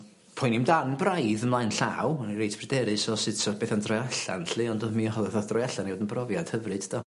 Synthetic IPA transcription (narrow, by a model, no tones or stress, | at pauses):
pʰʊjnimdanbrajðəmlˠajnɬa̰wnirejtʰb̥ʰrɨdɛɾɨsɔsɨd̥sʰɔb̥eːθandrɔjaɬa̰nɬɨɔndɔmiːhɔðˠɛðɔθdrɔjaɬaniwoːdənbrɔvjad̥həvrɨd̥d̥ɔ